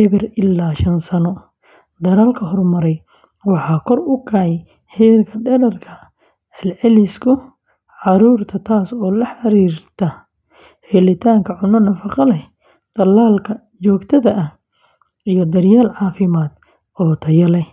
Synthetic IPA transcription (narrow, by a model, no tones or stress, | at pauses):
ʔɪβɪrɪlːaːʃɐnsɐnɔ | d̪ɐɾaːlkʰɐɦɔrmɐɾɛj | wɑħɑːkʰɔrʊkʰaʕ | hɛːlkʰɐɖɛɾɐrkʰɐ | ħɛlʕɛlɪskʰʊ | ʕɑɾuːrt̪ʰɐt̪ʰaːsɔːlɐħɑɾiːrt̪ʰɐ | hɛlɪt̪ʰaːŋkʰɐʕʊnɔnɐfɑqɑlɛ | d̪̥ɐlːaːlkʰɐ | t͡ʃɔːɡt̪ʰɐðɐʔɐh | ijɔd̪ɐrjaːlʕɑːfɪmaːd̪̥ | ɔːt̪ʰɐjɐlɛ